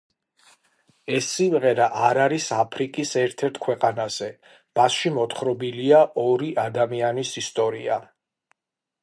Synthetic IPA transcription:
ɛsːimʁɛɾaʔaɾaɾisapʰɾikʼisɛɾt̪ʰɛɾt̪ʰkʰwɛqʼanaz̥ɛ | b̥asʃimɔt̪ʰχɾɔbiliaʔɔɾiʔad̪amianisist̪ʼɔɾia

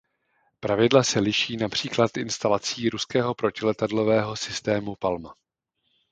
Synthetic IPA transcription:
pɾavɪdlasɛlɪʃiːnapr̝̥iːklat̪ʔɪnst̪alat͡siːɾuskɛːɦo̞pɾo̞cɪlɛt̪adlo̞vɛːɦo̞sɪst̪ɛːmupalma

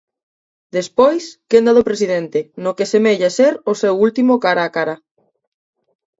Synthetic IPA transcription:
d̪espojskend̪aðopɾesiðent̪enokesemeʎaseɾosewult̪imokaɾakaɾa

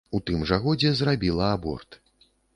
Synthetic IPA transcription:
ut̪ɨmʐɐɣɔd͡zʲɛzrabʲilˠɐabɔ̰rt̪

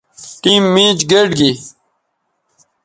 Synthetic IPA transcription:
ʈiːmːĩːd͡ʑɡeɖɡi

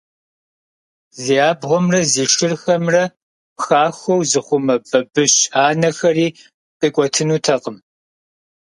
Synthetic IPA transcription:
ziaːbʁʷɔmrɐziːʂɪrxɐmrɐ | pxaːxʷɔwzɨχʷʊmɐbɐbɨɕaːnɐxɐriː | qʼiːkʷʼɔtʰɨnuːtʰɐqəm

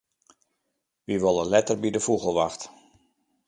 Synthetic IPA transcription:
ʋiʋolˠəlɛtərbidəfuɣəlˠʋaxt

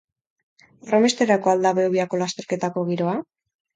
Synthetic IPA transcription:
remest̪eɾako̞ald̪aβeoβiako̞last̪e̞ɾke̞t̪ako̞ɣ̞iɾo̞a

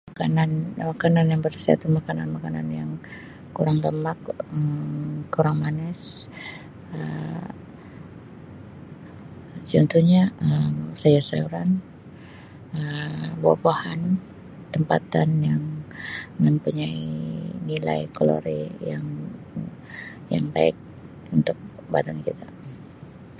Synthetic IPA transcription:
makananmakananjaŋbərsia̰t̪umakananmakana̰njaŋ | kuɾaŋləmakəkuɾaŋmanɛs | ə | t͡ʃɔnt̪uhɲaʔəmsajasauɾan | əbua̰pahan | t̪əmpat̪anjaŋ | məmpuɲainila̰ikolo̰ɾḛjaŋ | ja̰ŋba̰ɪk̚ | unt̪ʊk̚badankit̪ʰa

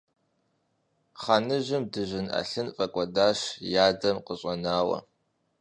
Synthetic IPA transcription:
χanɨʑɪmdɨʒʷɪna̰ɬɨnfʼɐkʷʼɔdaːʃjaːdɐmqəɕʼɐnaːwɐ̰

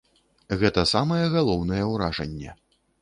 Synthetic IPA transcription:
ɣɛt̪ɐsamɐjɛɣalˠɔwnɐjɛwɾaʐɐ̰nʲːɛ̰

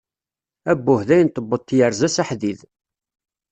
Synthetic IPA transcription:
æbːʊhðæjənt̪ːəbːət̪ːjəɾzæsaħðið

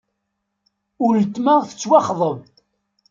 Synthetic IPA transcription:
ʊɾət̪ːmaʁθə̥t͡sːwɑχðˤəv

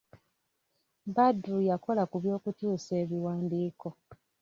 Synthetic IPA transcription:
badujako̞lakuβjo̞ːkutuːse̞ːβiwaːndiːko̞

